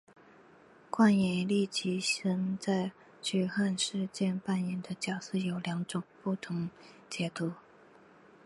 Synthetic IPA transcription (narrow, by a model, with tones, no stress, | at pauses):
kwa˥˩njɛ˧˥nli˥˩t͡ɕi˧˥ɕə˧˥nt͡sa˥˩ɪ | t͡ɕy˥˩xa˥˧nʂɻ̩˥˧t͡ɕjɛ˥˧npa˥˩njɛ˧˥nd̪ə˧t͡ɕjɑ˨˩ʊs̩˥˩jo˨˩ʊljɑ˧˥ŋʈ͡ʂʊ˨˩ŋpu˥˩t̪ʰʊ˧˥ŋ | t͡ɕjɛ˧˥t̪u˧˥˦